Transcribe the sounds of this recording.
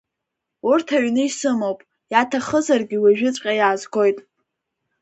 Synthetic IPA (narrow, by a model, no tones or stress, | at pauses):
urtʰaɥnɨisɨmowpʼ | jatʰaχəzarɡʲɪwaʒᶣɪt͡sʷʼqʲʼajaːzɡʷo̞jtʼ